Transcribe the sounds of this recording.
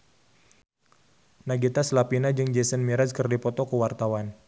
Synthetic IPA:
naɡit̪aslapinad͡ʒɨŋd͡ʒesənmiɾaskərdipɔt̪ɔkəwart̪awan

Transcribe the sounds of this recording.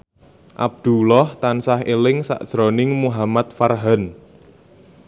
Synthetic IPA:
ʔa̰b̚d̪̥ṳlɔht̪ansaɦelɪŋsa̰ʔd̥ʒ̥ɾonɪŋmuɦamat̪̚farɦan

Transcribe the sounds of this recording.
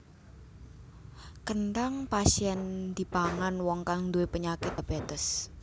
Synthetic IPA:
kənɖaŋpasiɛnd̪̥i̤baŋanwɔŋkaŋd̪uepəɲakɪt̪̚ab̥et̪əs

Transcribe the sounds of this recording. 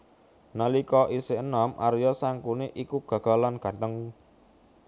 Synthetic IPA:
nəlikɔʔiseənɔmʔa̰ɾjɔsaŋkuneʔikuɡ̥a̤ɡ̥a̤lanɡ̥a̤t̪əŋ

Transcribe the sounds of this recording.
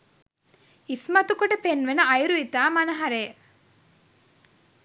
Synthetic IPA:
ismɐt̪ukoɖəpenʋenɐɐjɾuit̪aːmɐnɐɦɐɾeː

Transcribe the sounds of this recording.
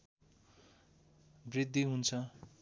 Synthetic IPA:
brid̪ʱːiɦunt͡sʰʌ

